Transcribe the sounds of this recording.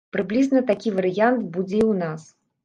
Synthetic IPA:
pɾɨblʲiznɐt̪akʲivɐɾɨjant̪bud͡zʲɛiwnas

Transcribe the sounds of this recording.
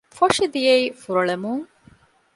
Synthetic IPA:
foʂid̪ijeifuɾoɭemuŋ

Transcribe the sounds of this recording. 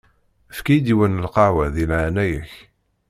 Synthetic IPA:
əfkijd̪iwənəlqɑwæðilʕanæjəç

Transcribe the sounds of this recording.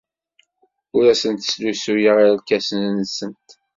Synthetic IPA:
ʊɾæsənt̪slusujəʁiɾlkæsənnəsənt̪

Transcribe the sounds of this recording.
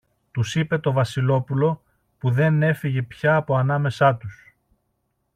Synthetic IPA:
t̪usipe̞t̪o̞vɐsilo̞pulo̞ | puðe̞ne̞fiʝe̞pçɐːpo̞ɐnɐme̞sɐt̪us

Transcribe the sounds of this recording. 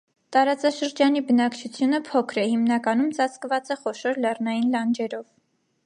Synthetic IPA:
t̪ɑɾɑt͡sɑʃəɾd͡ʒɑnibənɑkt͡ʃʰut͡sʰjunəpʰɔkʰɾɛhimnɑkɑnumt͡sɑt͡sʰkvɑt͡sɛχɔʃɔɾlɛrnɑjinlɑnd͡ʒɛɾɔv

